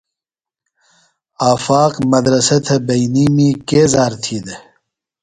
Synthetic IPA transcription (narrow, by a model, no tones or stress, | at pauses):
aːfaːqmɐd̪ɾɐsɐt̪ʰɐbɐjniːmikeːzaːɾt̪ʰiːd̪ə